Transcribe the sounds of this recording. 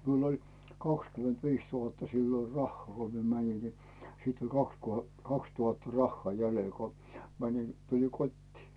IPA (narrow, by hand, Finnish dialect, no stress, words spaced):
miul olʲ kɑkskymentʋiːs tuhɑtːɑ siːlo rɑhːŏɑˑ ko mie mænʲin ni sit olʲ kɑks ko kɑkstuhɑtːɑ rɑhːɑː jælel ko mænʲin tuliŋ kotʲtiː